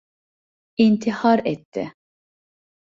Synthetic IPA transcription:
int̪ʰihɑɾɛt̪ːɛ̰

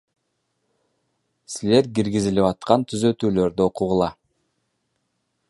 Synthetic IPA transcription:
sile̞ɾɡiɾɡiziliβɑt̪̚qɑnt̪ʰyzø̞t̪yːlø̞ɾd̪yoquʁulˠɑ

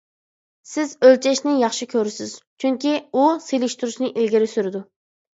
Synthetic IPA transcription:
sɪzølt͡ʃʰɛʃnɪjɑχʃikʲʰøɾɪsɪz̥t͡ʃʰyŋkʲiuselɪʃt̪yɾuʃnɨʔilɡʲiɾɪsyɾɪd̪u

